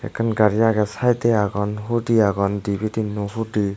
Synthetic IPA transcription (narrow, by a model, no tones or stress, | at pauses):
ɛ̰kʰɯnɡaɾijaɡɛsajt̪ɛaɡɔnɦudiaɡɔndibʱidinɔɦudi